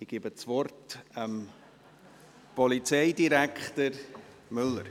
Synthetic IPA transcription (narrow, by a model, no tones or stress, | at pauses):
ɪɡ̥ibət͡svɔrtəm | pɔlit͡sɛɪdiɾækχtəɾ | mʏlːəɾ